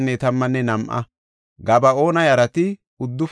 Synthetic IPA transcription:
nːɛt̪ɐmːɐnːɛnɐmʔɐ̰ | ɡɐbɐo̞ːnɐjɐɾɐt̪ɪ | ʊd̪ːʊf

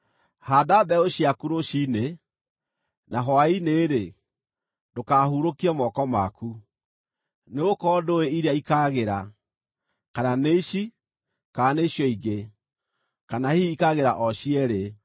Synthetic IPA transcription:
hadaðɛoɕjakuɾoʃine | naɦɔaineːɾe | dokahuɾokiɔmɔkɔma̰ku | neokɔdoeiɾeaikaːɣeɾa | kananeʃi | kaːneɕjɔiɡe | kanahiikaɣeɾaʔɔɕiɛɾe

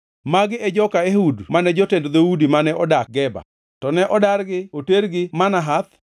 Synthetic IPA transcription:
maɡɪɛd͡ʒɔkaehudmanɛd͡ʒotendd̪oudimanɛʔɔdak̚ɡɛba̰ | tɔnɛʔɔdaɾɡɪoteɾɡɪmanaɦat̪

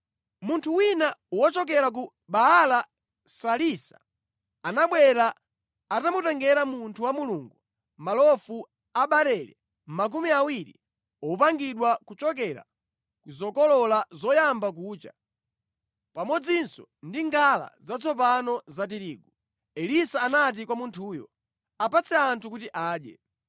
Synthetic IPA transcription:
muntʰuwinawɔt͡ʃɔk̬ɛɾak̬u | ɓaɦala | salisḁ̰ː | naɓwɛɾaː | tamutɛŋɡɛɾamuntʰuwamuluŋɡu | malɔfu | aɓaɾɛɾɛ̰ | m̩mak̬umiawiɾḭ | ɔpaŋɡiɗwakut͡ʃɔk̬ɛɾa̰ | kuzɔkɔlɔlazɔjambak̬uːt͡ʃa | pamɔd͡zinsɔndiŋɡala̰zat͡sʰɔpanɔzat̬iɾiːɡu | ɛlisaːnat̬ikwamuntʰuːjɔ̰ | apat͡sʰɛantʰukutiʔaːɗjɛ̰

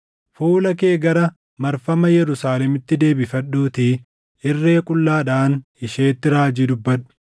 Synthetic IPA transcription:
fuːlɐke̞ːɡɐɾɐ | mɐɾfɐmɐjɛɾʊsaːlɛmɪt̪ːɪd̪e̞ːbɪfɐɗːuːt̪i | ɪrːe̞ːkʼʊlːaːᶑaːnɪʃeːt̪ːɪɾaːd͡ʒiːd̪ʊbːɐᶑʊ̥

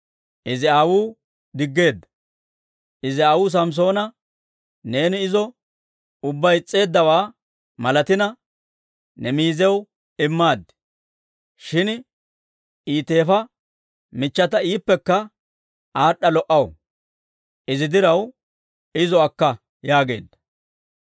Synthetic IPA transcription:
ʔɪzɪaːwuː | d̪ɪɡːe̞ːd̪ːɐ̥ | ʔɪzɪaːwʊːs̬ɐms̬o̞ːnɐ | ne̞ːnɪɪzɔ | ʊbːɐjɪt͡sʼːe̞ːd̪ːɐwaː | mɐlɐt̪ɪnɐ | nɛmiːzɛw | ɪmːaːd̪ːɪ̥ | ʃɪn | iːt̪e̞ːfɐ | mɪt͡ʃːɐt̪ɐiːpːɛkːɐ | aːɗːɐlɔʔɐw | ʔɪzɪd̪ɪɾɐw | ɪzɔɐkːɐ | jaːɡe̞̰ːd̪ːɐ̥

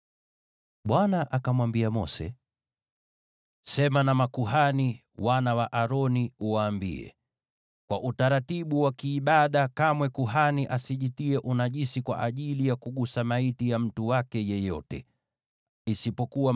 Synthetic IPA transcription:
ɓwanaʔakamwambiamɔsɛ̰ | sɛmanamakuɦani | wanawaʔaɾɔniuwaːmbḭɛ̰ | kwa̰ʔutaɾatiɓuwakiːɓaɗakamwɛkuɦaniʔasiʄitiɛʔunaʄisikwa̰ʔaʄilijakuɠusamaitijam̩tuwakɛjɛjɔ̰tɛ | isipɔkuwa

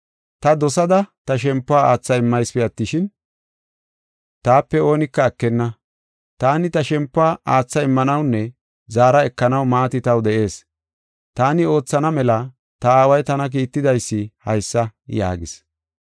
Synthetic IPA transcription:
t̪ɐd̪ɔsɐd̪ɐt̪ɐʃ̬ɛmpːʊaːaːt͡sːɐɪmːɐjspɛɐt̪ːɪʃɪn | t̪aːpːɛo̞ːnɪkːɐːkːɛnːɐ | t̪aːnɪt̪ɐʃɛmpːʊaːʔaːt͡sːɐɪmːɐnɐwnːɛ | zaːɾɐɛkːɐnɐwmaːt̪ɪt̪ɐwd̪ɛʔe̞ːs | t̪aːnɪo̞ːt͡sːɐnɐmɛlɐ | t̪ɐaːwɐjt̪ɐnɐk̬iːt̪ːɪd̪ɐjsːɪhɐjsːɐja̰ːɡɪ̰s

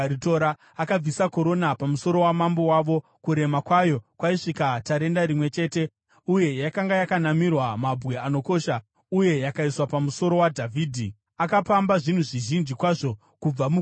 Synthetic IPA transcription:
ɾitoɾa | akab͡visako̞ɾo̞napamuso̞ɾo̞wamambo̞waʋo̞kuɾe̞makwajo̞kwaiʂikataɾe̞ndaɾimwe̞t͡ʃe̞ːte̞ | uje̞jakaŋɡajakanamirwamabʱwe̞ano̞ko̞ʃa | uje̞jakaiswapamuso̞ɾo̞wadʱavʱiːdʱi | akapambaʐin̤uʐiʒind͡ʒikwaʐo̞ | kub͡vamu

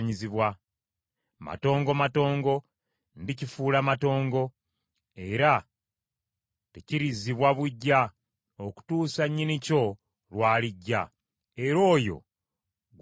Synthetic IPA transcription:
ɲiziβwa | ma̰to̞ːŋɡomato̞ːŋɡo̞ | ndicifuːlamato̞ːŋɡo̞ | e̞ɾa | teciɾiziβwaβuɟːa | oku̥tuːsaɲːinico̞ | lwaːliɟːa | e̞ɾo̞ːjo̞̰ | ɡ

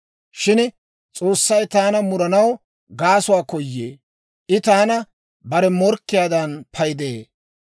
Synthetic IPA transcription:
ʃɪn | t͡sʼoːsːɐjt̪aːnɐmʊɾɐnɐw | ɡaːsʊwaːkɔjːḛː | ʔɪt̪aːnɐ | bɐɾɛmɔɾkːɪjaːd̪ɐnpʰɐjɪd̪eː

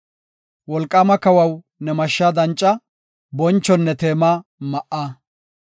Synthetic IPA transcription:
wɔlkʼːaːmɐkɐwɐw | nɛmɐʃːaːd̪ɐnt͡ʃʼːɐ | bɔnt͡ʃːɔnːɛt̪e̞ːmaːmɐʔaː

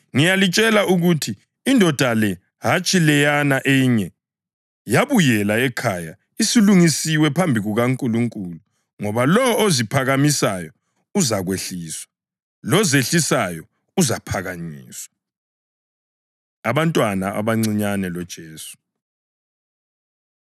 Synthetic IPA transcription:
ŋijalit͡ʃʼɛlauɣutʰiː | ndʱɔd̥ʱalɛ | ɦat͡ʃʼilɛjanaʔejiɲɛ | jaβujɛlaɛkʰaja | isiluŋisiwɛpʰambʱiɣuɣaŋkʼuluŋkʼulu | ŋɔβalɔozipʰaɣamisajɔ | uzaɣweɬiːswḁ | lɔzeɬisajɔ | uzapʰaɣaɲiːswa | aβantʼwanaʔa̰βaŋ͡ǀiɲanɛlɔd̥ʒ̥ʱeːsu̥

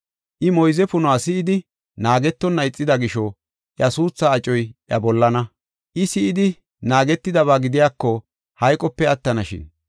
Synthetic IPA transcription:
ʔɪmɔjzɛpʊnʊaːsɪːd̪ɪ | naːɡɛt̪ːɔnːɐjt͡sʼːɪd̪ɐɡɪʃɔ | ʔjɐsuːsːaːt͡ʃʼɔjʔjɐ̰bɔlːɐnɐ | ʔɪsɪɪd̪ɪ | naːɡɛt̪ːɪd̪ɐβaːɡɪd̪ɪjaːkːɔ | hɐjkʼɔpːɛɐt̪ːɐnɐʃɪ̰n

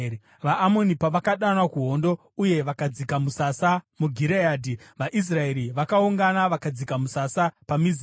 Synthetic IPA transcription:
ʋaːmo̞nipaʋakaɗanwakuɦo̞ndo̞ | uje̞ʋakad͡zikamusasamuɡʱiɾejaːdʱiʋaʔis̬rae̞ɾiʋakauŋɡanaʋakad͡zikamusasapamiz

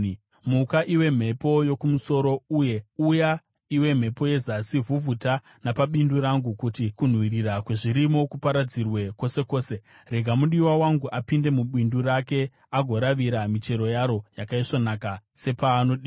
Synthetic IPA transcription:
mukaʔiwe̞m̤e̞po̞jo̞kumuso̞ɾo̞uje̞uja | iwe̞m̤e̞po̞je̞zasivuvuta | napaɓinduɾaŋɡukutikun̤wiɾiɾakwe̞ʐiɾimo̞kupaɾad͡zirwe̞ko̞se̞ko̞ːse̞ | re̞ɡʱamuɗiwawaŋɡuʔapinde̞muɓinduɾake̞ | aɡʱo̞ɾaʋiɾamit͡ʃe̞ɾo̞jaɾo̞jakaiʂonakase̞paːno̞ɗiː

